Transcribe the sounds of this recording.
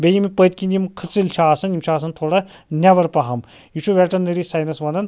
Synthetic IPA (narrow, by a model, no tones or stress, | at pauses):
bʲejimipət̪̚ʲkʲinʲjimkʰəsilt͡ʃʰaaːsɐnjimt͡ʃʰaːs̬ɐnt̪ʰoːɽɐ | nʲaʋɐɾpɐɦɐm | jit͡ʃʰuʋʲɛʈɐɾnːɐɾisaːjnɐsʋɐnd̪ɐn